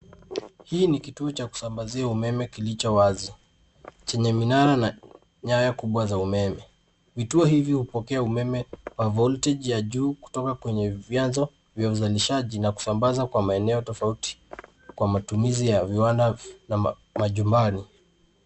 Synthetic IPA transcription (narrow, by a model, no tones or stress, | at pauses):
hiːnikituɔt͡ʃaku̥sambaziaumɛmɛkilit͡ʃɔwazi | t͡ʃɛɲɛminaɾana | ɲajakuɓwazaumɛmɛ | vituɔhivjihupɔkɛaumɛmɛwavɔltɛʄjaʄuːku̥tɔkakwɛɲɛvjanzɔ | vjauzaliʃaʄinaku̥sambazakwamaɛnɛɔtɔfauti̥ | kwamatumizijaviwandana | maʄumbani